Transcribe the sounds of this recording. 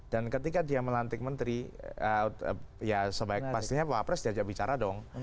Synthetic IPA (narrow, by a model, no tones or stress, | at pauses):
d̥ankət̪ikadiaməlant̪ɪk̚mənt̪ɾiə | jasəbaɪk̚past̪iɲapoapɾɛsdiad͡ʒaʔbit͡ʃaɾadɔŋ